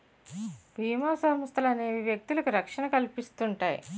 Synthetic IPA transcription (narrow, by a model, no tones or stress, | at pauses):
bʱiːmaːsɐmɐst̪ʰɐlɐneːʋiʋjɐk̚t̪ilɐkuɾɐkʂɐnɐkɐlpist̪uɳʈaːjḭ